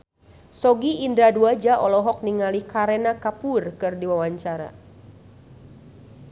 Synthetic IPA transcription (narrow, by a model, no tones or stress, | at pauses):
sɔɡiʔːnd̪ɾaduad͡ʒaʔɔlɔɦɔk̚niŋalikaɾɛnakapurkɨrdiwawaɲt͡ʃaɾa̰